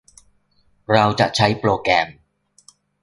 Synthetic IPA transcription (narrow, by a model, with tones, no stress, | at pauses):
ɹaː˧wt͡sa̰ː˨˩t͡ʃʰɐ˨˥jploː˨˧kɛː˨˧˩m